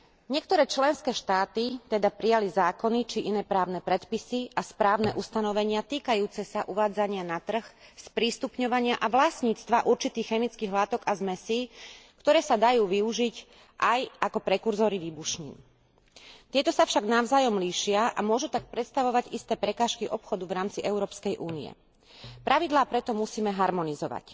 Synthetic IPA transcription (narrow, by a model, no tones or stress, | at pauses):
ɲɪɛk̚t̪ɔɾɛːt͡ʃlɛnskɛːʃt̪aːt̪it̪ɛd̪apɾijalizaːkɔnit͡ʃiʔinɛːpɾaːʊnɛpɾɛt̪pisiʔaspɾaːʊnɛʔust̪anɔʋɛɲɪat̪iːkajuːt͡sɛsaʔuʋaːd͡zaɲɪanat̪r̩xspɾiːst̪upɲɔʋaɲɪaʔaʋlasɲiːt͡st̪ʋaʔuɾt͡ʃit̪iːxxɛmit͡skiːɣɦlat̪ɔɡazmɛsiːkt̪ɔɾɛːsad̪ajuːʋiuʒic | ʔajakɔpɾɛkuɾzɔːɾiʋiːbuʃɲḭːn | t̪ɪɛt̪ɔsafʃaɡnaʊzaːjɔmliːʃɪaʔamʊɔʒut̪ak̚pɾɛt̪st̪aʋɔʋaɟist̪ɛːpɾɛkaːʃkiʔɔpxɔd̪uʋɾaːmt͡siʔɛʊɾɔːpskɛjʔuːnḭɛ̰ | pɾʔaʋid̪laːpɾɛt̪ɔmusiːmɛɦaɾmɔnizɔʋa̰c